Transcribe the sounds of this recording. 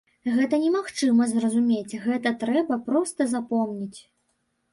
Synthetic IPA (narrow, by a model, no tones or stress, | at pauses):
ɣɛt̪ɐnʲɛmaxt͡ʂɨmɐzrɐzumʲet͡sʲɣɛt̪ɐt̪ɾɛbɐpɾɔst̪ɐzapɔmnʲit͡sʲ